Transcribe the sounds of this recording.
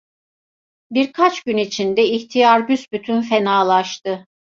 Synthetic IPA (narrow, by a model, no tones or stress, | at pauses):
biɾkʰat͡ʃɟynit͡ʃʰind̪ɛiçt̪ʰijaɾbysbyt̪ʰynfenaːlˠaʃt̪ɯ